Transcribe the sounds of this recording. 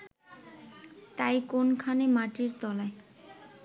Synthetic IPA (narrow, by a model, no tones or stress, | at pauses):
t̪ajkonkʰanemaʈiɾt̪ɔlae